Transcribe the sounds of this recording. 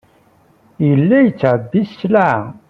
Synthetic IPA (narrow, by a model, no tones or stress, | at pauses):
jəlːæjət͡sːʕədːisslaʕ